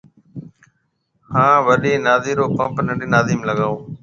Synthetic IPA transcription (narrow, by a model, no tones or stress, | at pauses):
hãːʋəɗeːnaːziːɾoːpə̃mpnə̃ɳɖiːnaːziːmləɠaːoː